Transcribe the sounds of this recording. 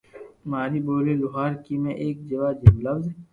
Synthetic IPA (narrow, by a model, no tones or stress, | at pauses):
maːɾiboːlelʊɦaːɾkimẽʔeːk̚d͡ʒɐʋaːd͡ʒɐmlɐwze